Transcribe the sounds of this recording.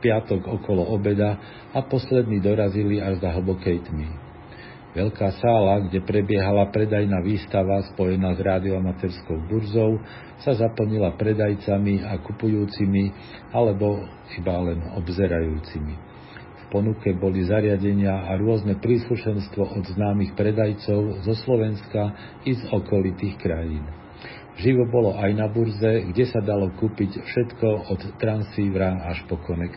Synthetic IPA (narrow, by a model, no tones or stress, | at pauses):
pɪat̪ɔɡɔkɔlɔɔbɛd̪a | apɔslɛd̪niːd̪ɔɾaziliaʒzaɦl̩bɔkɛjt̪mi | ʋɛʎkaːsaːlaɡɟɛpɾɛbɪɛɦalapɾɛd̪ajnaːʋiːst̪aʋaspɔjɛnaːzɾaːd̪iɔamat̪ɛɾskɔʊbuɾzɔʊ | sazapl̩ɲilapɾɛd̪ajt͡samiakupujuːt͡simi | alɛbɔ | ibalɛnɔbzɛɾajuːt͡simi | fpɔnukɛbɔlizaɾɪaɟɛɲɪaaɾʊɔznɛpɾiːsluʃɛnst̪ʋɔʔɔd̪znaːmixpɾɛd̪ajt͡sɔʊzɔslɔʋɛnska | izɔkɔlit̪iːxkɾajiːn | ʒiʋɔbɔlɔʔajnabuɾzɛɡɟɛsad̪alɔkupicfʃɛt̪kɔɔt̪ːɾansiːʋɾaaʃpɔkɔnɛk